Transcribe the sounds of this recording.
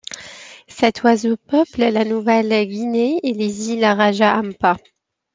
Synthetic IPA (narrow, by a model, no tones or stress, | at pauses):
sɛt̪ʰwazopœplɛlanuvɛlɡʲineːlezilaʁaʒaʔampa